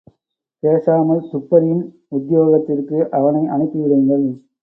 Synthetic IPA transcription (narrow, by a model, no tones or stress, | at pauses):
peːsaːmɐlsʊpːɐɾɪjɪn | ʊd̪joːɣɐt̪ːɪrkɯʔɐʋɐnɐɪʔɐɳɯt̪ːɯʋɪɽɯːŋɡɐɭ